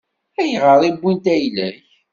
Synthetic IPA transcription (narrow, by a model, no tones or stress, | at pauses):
æjʁəɾˤibːint̪æjlæç